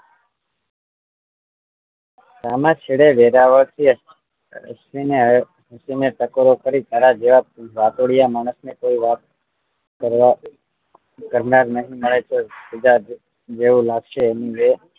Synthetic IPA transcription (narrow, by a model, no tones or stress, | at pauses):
samãt͡ʃʰiɽeʋeɾaʋəɭt̪ʰḭ | sine | ɦəsineʈəkoɾokəɾit̪aɾad͡ʒeʋaʋat̪oɽijamaːɽ̃əsnekoiʋat̪ | kəɾʋa | kəɾnaɾnəɦĩməɭet͡ʃʰesəd͡ʒa | d͡ʒeʋũlaɡʃeːniʋe